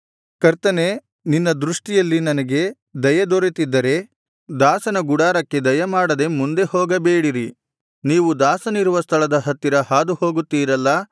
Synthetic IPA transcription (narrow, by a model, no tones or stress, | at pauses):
kɐɾt̪ɐne̞ | ninːɐd̪ɾuʂʈijɐlːinɐnɐɡe̞ | d̪ɐjɐd̪oɾit̪id̪ːɐɾe̞ | d̪aːsɐnɐɡuɽaːɾɐkːe̞d̪ɐjɐmaːɽɐd̪e̞mund̪e̞hɔːɡɐbeːɽiɾi | niːʋud̪aːsɐniɾuʋɐst̪ʰɐɭɐd̪ɐɦɐt̪ːiɾɐɦaːd̪uho̞ːɡut̪ːiːɾɐlːɐ